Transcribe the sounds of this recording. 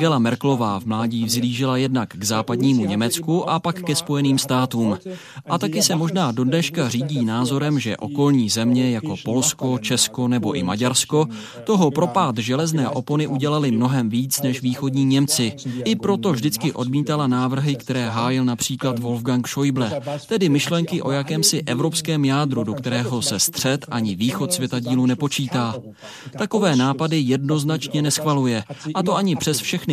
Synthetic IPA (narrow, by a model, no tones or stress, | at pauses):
ɡɛlamɛɾklo̞vaːvmlaːɟiːvzliːʒɪlajɛdnakɡzaːpadɲiːmuɲɛmɛt͡skuʔapakːɛspo̞jɛniːmst̪aːt̪uːm | ʔat̪akɪsɛmo̞ʒnaːdo̞dnɛʃkar̝iːɟiːnaːzo̞ɾɛmʒɛ̰ʔo̞ko̞lɲiːzɛmɲɛjako̞po̞lsko̞t͡ʃɛsko̞nɛbo̞ʔɪma̰ɟaɾsko̞ | t̪o̞ɦo̞pɾo̞paːt̪ʒɛlɛznɛːʔo̞po̞nɪʔuɟɛlalɪmno̞ɦɛmviːt͡snɛʃviːxo̞dɲiːɲɛmt͡sɪʔɪpɾo̞t̪o̞vʒdɪt͡skɪʔo̞dmiːt̪alanaːvr̩ɦɪkt̪ɛɾɛːɦaːjɪlnapr̝̥iːklat̪vo̞lfɡaŋkʃo̞jblɛt̪ɛdɪmɪʃlɛŋkɪʔo̞jakɛːmsɪʔɛvɾo̞pskɛːmjaːd̪ɾudokt̪ɛɾɛːɦo̞sɛst̪r̝̥ɛt̪ʔaɲɪviːxo̞t̪svjɛt̪aɟiːlunɛpo̞t͡ʃiːt̪aː | t̪ako̞vɛːnaːpadɪjɛdno̞znat͡ʃɲɛnɛsxvalujɛʔat̪o̞ʔaɲɪpr̥ɛsfʃɛxnɪ